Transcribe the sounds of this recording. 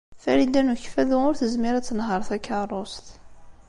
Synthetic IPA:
fæɾid̪ænuçfæðʊʊɾθəzmiɾæt͡sːənɦəɾˤθækːarˤost̪

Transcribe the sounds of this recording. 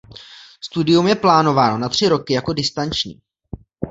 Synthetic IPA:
st̪udɪjumjɛplaːno̞vaːno̞nat̪r̝̥ɪɾo̞kɪjako̞dɪst̪ant͡ʃɲḭː

